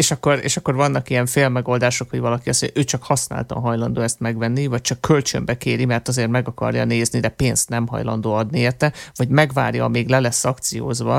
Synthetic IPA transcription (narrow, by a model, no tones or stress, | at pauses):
eːʃɒkːo̞ɾḛːʃɒkːo̞rvɒnːɒkijɛɱfeːlmɛɡo̞ld̪aːʃo̞khoɟvɒlɒkiɒsmoɲjʔøːt͡ʃɒkhɒsna̰ːlt̪ɒ̰ɦɒjlɒnd̪oːɛst̪mɛɡvɛnːivɒc̚t͡ʃɒkːølt͡ʃø̰mbɛkeːɾimɛrt̪ɒzeːrmɛɡɒkɒ̰rjɒ̰neːznid̪ɛpeːnst̪nɛmɦɒ̰jlɒ̰nd̪oːɒd̪nieːrt̪ɛvɒɟmɛɡva̰ːrjɒːmeːɡlɛlɛsːɒkt̪sijo̰ːzbɒ̰